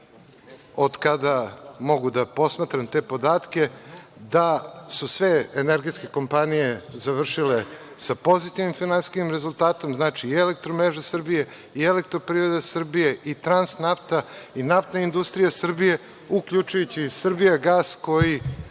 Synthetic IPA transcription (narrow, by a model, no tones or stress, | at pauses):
o̞d̪kad̪amo̞ɡud̪apo̞smat̪ɾamt̪e̞ːpo̞d̪aːt̪kʲe̞d̪asusʋe̞eneɾɡe̞t̪ske̞ko̞mpanije̞zaʋr̩ʃile | sapo̞zit̪inimfinansi̥kimɾezulˠt̪aːt̪o̞mznaːt͡ʃielek̚t̪ɾomɾeʒasr̩bije | ielek̚t̪ɾopɾivɾed̪asr̩bije̞ʔit̪ɾansnaft̪ainaft̪naind̪ust̪ɾijasr̩bije̞ | ukʎut͡ʃujut͡ɕisr̩bijaɡaːsko̞ji